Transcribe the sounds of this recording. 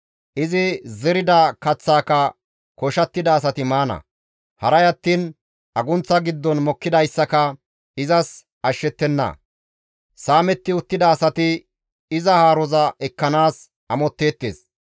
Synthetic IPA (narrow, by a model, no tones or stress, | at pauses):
ʔɪzɪzɛɾɪd̪ɐkɐt͡sːaːkɐ | kɔʃɐt̪ːɪd̪ɐːs̬ɐt̪ɪmaːnɐ̰ | hɐɾɐjɐt̪ːiːn | ʔɐɡʊnt͡sːɐɡɪd̪ːɔnmɔkːɪd̪ɐjsːɐkɐ | ɪzɐs | ɐʃːɛt̪ːɛnːɐ̰ | saːmɛt̪ːɪʊt̪ːɪd̪ɐːsɐt̪ɪ | ɪzɐhaːɾɔzɐɛkːɐnaːs | ɐmɔt̪ːe̞ːt̪ːḛːs